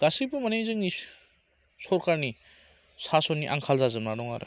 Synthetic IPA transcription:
ɡ̥asipɯmanejzɯŋni | sɔɾkaɾni | sasɔniʔa̰ŋkʰalzazɯmnadɔŋa̰ɾɯ̰

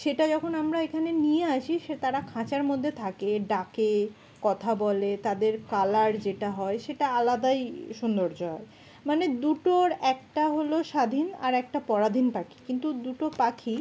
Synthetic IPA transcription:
ʃeʈad͡ʑɔkʰonamɾaekʰanenijeaʃʰiʃet̪aɾakʰãt͡ɕaɾmod̪ʱːet̪ʰakeɖake | kɔt̪ʰabɔlet̪ad̪eɾkalaɾd͡ʑeʈaɦɔeʃeʈaalad̪ajʃund̪oɾd͡ʑɔe | maned̪uʈoɾɛkʈaɦoloʃad̪ʱina̰ɾɛk̚ʈapɔɾad̪ʱinpakʰi̥kint̪ud̪uʈopakʰi

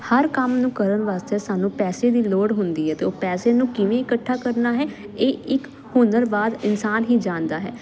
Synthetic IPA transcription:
həɾkəmnũːkəɾənʋaːst̪eɛːsaːnũːpɛːseːd̪iːloːɽɦʊnd̪iːɦɛːt̪eːoːpɛːseːnũːkɪʋẽːɪkəʈʰːaːkəɾnaːɦɛː | eːɪk | hʊnəɾbaːd̪ɪnsaːnɦiːd͡ʒãːnd̪aːɦɛ̰ː

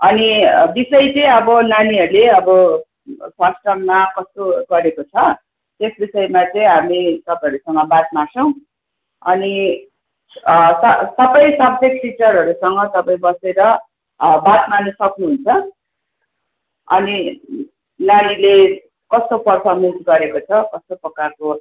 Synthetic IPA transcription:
ʌnibisʌjt͡sʌĩʌbʌnaniɦʌɾuleʌbʌ | kʰwasʈʌmmakʌst̪oɡʌɾekot͡sʰʌ | t̪esbisʌjmat͡sʌĩɦamit̪ʌpaj̃ɦʌɾusʌŋɡʌbat̪̚masʌw̃ | ʌ̰ni | sʌsʌbʌjsʌb̚d͡zek̚ʈit͡sʌɾɦʌɾusʌŋɡʌt̪ʌpãĩbʌseɾʌ | bat̪manʌsʌknuɦunt͡sʰʌ | ʌ̰ni | lalile | kʌst̪opʌrpʰʌrmensɡʌɾekot͡sʰʌkʌst̪oprʌkarko

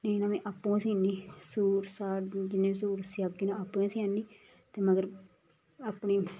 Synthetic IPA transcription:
neːnãːmẽːʔapːõːsĩːniːsuːɾsaːd͡ʒɪnːẽːiːs̬uːɾsɪaɡiːnãːapːẽːsiːãnːiː | t̪eːməɡəɾ | aːpɳiː

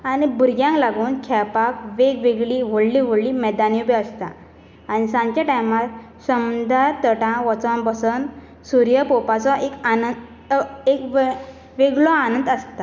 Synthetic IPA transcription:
aɽ̃ibuɾɡjãŋklaɡuːnkʰɛpakʋeɡʋeɡɭiʋəɽliʋ̤əɽlimɛd̪anjubiəst̪a̰ | añisãɲt͡ɕjaʈajmat̪ | səmd̪aɾt̪əʈãʋɔt͡sãmbəsən | suɾjəpopat͡sɔʔekanə | ekʋ | ʋeɡɭɔanənd̪əst̪a

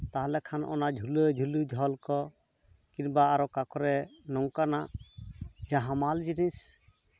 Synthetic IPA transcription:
t̪aɦalɛkʰanɔ̰naʔd͡ʒʱulud͡ʒʱulud͡ʒʱɔlkɔ | kiɾbaːɾɔkakɔɾɛnɔŋkanaʔ | d͡ʒaɦamald͡ʒinis

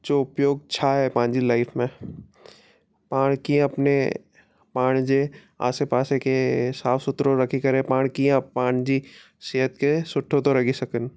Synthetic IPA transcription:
d͡ʒoʊpjoːɡ̚t͡ʃʰaɦɛpãːnd͡ʒilaɪfʰmẽ | paːɽ̃kĩɐpne | paːɽ̃d͡ʒe | a̰ːsepaːsekesaːfʰsʊt̪ɾoɾɐkʰikɐɾẽpãːɽ̃kiãpːãːɽ̃d͡ʒi | siɦət̪kesʊʈʰːot̪oɾɐɡisɐkən

